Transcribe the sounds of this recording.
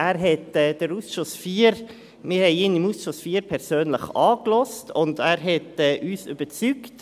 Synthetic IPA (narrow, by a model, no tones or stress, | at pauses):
ʔæːɾɦɛtɛːd̥əɾuːsʃʊsfiːɾ | mɪːɾhɛɪiːnimuːsʃʊsfiːɾpʰɛɾsøːnləχɑːklɔstʰʊndæːɾɦɛtɛːʔyːsy̰bət͡sykt